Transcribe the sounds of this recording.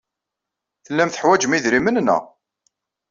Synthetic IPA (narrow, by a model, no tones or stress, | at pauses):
θəlːæmθə̥ħwæd͡ʒmiðɾimənnæ̰